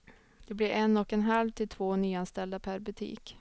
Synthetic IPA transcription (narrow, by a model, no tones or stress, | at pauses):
d̪̥ɛblɪɾʔɛnːɔkɛnɦalvt̪ʰɪlt̪ʰvoːnyːanst̪ɛld̪apʰæɾbɵt̪ʰḭːk